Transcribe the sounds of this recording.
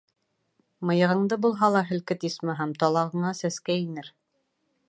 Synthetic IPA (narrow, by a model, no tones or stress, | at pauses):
mɤ̆jɤ̆ʁɤ̆ɴd̪ɤbulˠɦɑlˠɑɦɘ̆lkɘt̪ismɘɦæmt̪ɒlˠɑʁɤ̆ɴɑsæskæinɘɾ